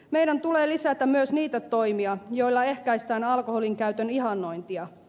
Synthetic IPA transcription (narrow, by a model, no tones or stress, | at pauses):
me̞jdænt̪uleːlisæt̪æmyøsniːt̪æt̪o̞ijmiɑjo̞jlːɑe̞hkæist̪æːnɑlkoholiŋkæɥt̪øniɦɑnːo̞jnt̪iɑ